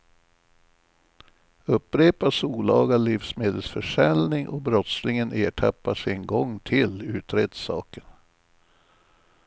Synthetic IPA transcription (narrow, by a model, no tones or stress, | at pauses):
ɵpːɾeːpasuːlɑːɡaliːfsmeːd̪əlsfœʂɛlnɪŋʔɔbɾɔt̪slɪŋəneːʈʰapːaʂɪnɡɔŋːt̪ʰɪlʉ̟ːt̪ɾeːd̪sɑ̰ːkən